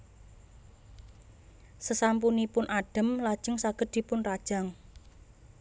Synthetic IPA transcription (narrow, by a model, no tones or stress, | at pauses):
səsampunipʊnʔaɖ̥ə̤mlad̥ʒ̥ə̤ŋsaɡ̥ə̤d̪̥i̤pʊnrad̥ʒ̥a̤ŋ